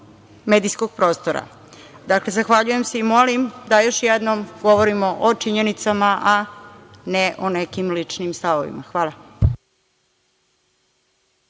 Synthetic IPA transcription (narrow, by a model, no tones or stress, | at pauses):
med̪ijsko̞ɡ̥̚pɾo̞ːst̪oɾa̰ | d̪akle̞zaxʋaʎuje̞mse̞imo̞limd̪ajo̞ʃjɛd̪nomɡo̞ʋoɾimo̞ʔot͡ʂiɲenit̪samaʔa | neʔonekimlit͡ʂnimst̪aʋo̰ʋḭmaxʋaːlˠa